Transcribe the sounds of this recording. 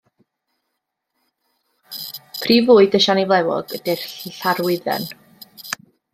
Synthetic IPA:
pʰriːvuːɨdəʃanivlˠɛwɔ̰ɡədɛrɬarwɪðɛ̰n

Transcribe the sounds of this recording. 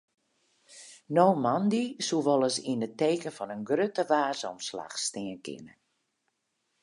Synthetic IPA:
nowmandisuʋɔlˠəsinəteːkənfɔnənɡrøtəʋaːzɔ̰msla̰xstɪənkʰɪ̰nə̰

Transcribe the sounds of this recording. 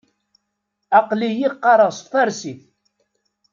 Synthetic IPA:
ɑqlijiqːɑɾˤəʁsˤfæɾsiθ

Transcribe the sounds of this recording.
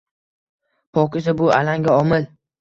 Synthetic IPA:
pʰɒqɪsabʊa̰laŋɡʲaɒmɪl

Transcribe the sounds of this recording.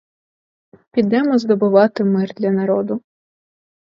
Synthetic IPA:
pʲid̪ɛmɔzd̪ɔbʊʋɑt̪ɪmɪrd̪lʲɐnɐɾɔd̪ʊ

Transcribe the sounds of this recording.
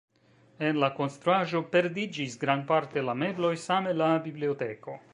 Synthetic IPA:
enlakonst̪ɾuaʒopeɾd̪id͡ʒisɡɾanpaɾt̪elameblojsamelabibliot̪ɛːko

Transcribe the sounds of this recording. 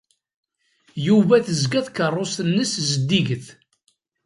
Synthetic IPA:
juvæθəzɡæθkərˤːosənːəszəd̪ːiʝəθ

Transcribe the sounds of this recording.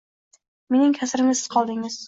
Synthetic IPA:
me̞nɪŋkʲʰasɾɪmɪsɪz̥qʰɒlˠd̪ɪŋɪz̥

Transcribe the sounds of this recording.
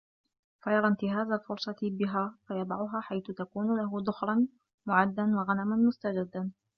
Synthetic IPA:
fajɑɾˤɑnt̪ɪɦaːzalfʊɾsˤɑt̪ɪbɪɦaːfajɑd̪ˤɑʕʊɦaːħajθʊt̪akuːnʊlaɦʊd̪ˤʊxɾˤɑn | mʊʕad̪ːanwɑɣanamanmʊst̪ad͡ʒɪd̪ːan

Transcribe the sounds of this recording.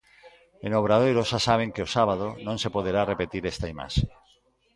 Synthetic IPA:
enoβ̞ɾaðejɾosasaβ̞eŋkeosaβað̞onõŋsepoð̞eɾarepet̪iɾest̪aima̰ʃe̥

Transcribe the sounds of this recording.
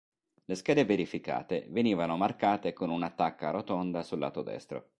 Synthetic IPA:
leskɛːd̪eveɾifika̰ːt̪ḛveniːvanomarkaːt̪ekonunat̪ːakːaɾot̪ond̪asulːa̰ːt̪od̪ɛ̰st̪ɾo̰

